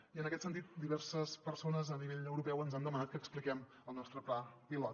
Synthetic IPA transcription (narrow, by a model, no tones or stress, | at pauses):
iənəkɛt̪sənt̪it̪̚d̪iβɛrsəspəɾsonəzəniβ̞eʎəwɾupɛwənzand̪əmənat̪kəːksplikɛm | əlˠnɔst̪ɾəplapilɔt̪